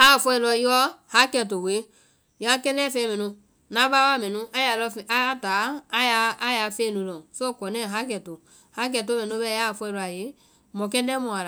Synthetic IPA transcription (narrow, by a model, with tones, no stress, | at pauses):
a˦˨fɔ˧ɛ˧˨lɔ˧˨ji˦ɔ˦ha˦kɛ˨to˨we˨˦ | jã˨˦kɛ̃˦nɛ̃˦˨fẽ˧˦mɛ̃˨nũ˧ | nã˨˦va˦wa˦mɛ̃˨nũ˦a˦ja˨lɔ˧fa˦a˦taː˨˦ja˨˧˦a˦ja˨fe˦nũ˨˦lɔ̃˨so˦˨kɔ˨nɛ̃˦˨ɦa˦k̬ɛ˨to˨ | ha˦k̬ɛ˨t̬o˦mɛ̃˨n˦o˦bɛ˦ja˦˨fɔ˧ɛ˧lɔ˧a˨je˨˦ | mɔ̃˨kɛ̃˦nɛ̃˦mɔ̃˨a˨la˨